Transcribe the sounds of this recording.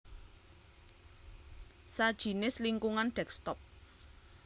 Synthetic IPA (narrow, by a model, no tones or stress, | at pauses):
sad̥ʒ̥i̤nɪsliŋkuŋanɖ̥ɛkst̪ɔp̚